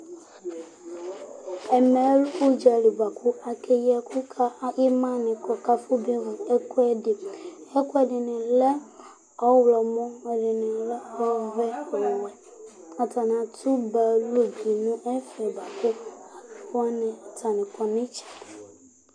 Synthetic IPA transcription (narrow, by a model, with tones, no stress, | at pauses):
ɛ˨mɛ˨˦lo˦d͡ʒa˨li˨ɡ͡ba˨kʰu˦a˨kʰe˦jɛ˦kʰu˦kʰa˦i˦mã˦nɪ̃˨kɔ˨ka˦fo˦bi˦vɛ˦ku˦ɛ˦dɪ˨ɛ˦ku˦ɛ˨dɪ˨nɪ̃˨lɛ˦ | ɔ˦wlɔ˨mɔ̃˦ɛ˨dɪ˨nɪ̃˨lɛ˦ɔ˦vɛ˦ɔ˨wɛ˨ | a˨ta˨n˨ã˨tʰu˦ba˨lo˦bi˨nũ˦ʔɛ˦fɛ˨ba˨ku˦a˨˦ɔ˦nɪ̃˨tʰa˨nɪ̃˨kɔ˨nɪ̃˦t͡ʃɛ̥˨